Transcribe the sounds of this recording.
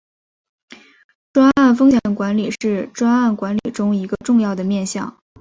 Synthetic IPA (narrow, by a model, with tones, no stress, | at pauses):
ʈ͡ʂwa˥a˥˩nfɤ˥ŋɕjɛ˨˩nkwa˧˥nli˨˩ʂɻ̩˥˩ʈ͡ʂwa˥na˥˩nkwa˧˥nli˨˩ʈ͡ʂʊ˥ŋi˧˥ɡə˧ʈ͡ʂʊ˥˧ŋjɑ˥˩ʊd̪ə˩mjɛ˥˧nɕjɑ̰˥˩ŋ